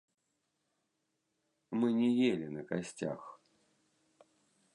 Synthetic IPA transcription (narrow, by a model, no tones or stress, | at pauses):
mɨnʲɛjelʲinɐkasʲt͡sʲa̰x